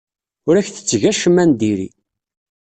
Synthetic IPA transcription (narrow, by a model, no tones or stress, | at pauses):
ʊɾæçθə̥t͡sːʝæʃəmːænd̪iɾḭ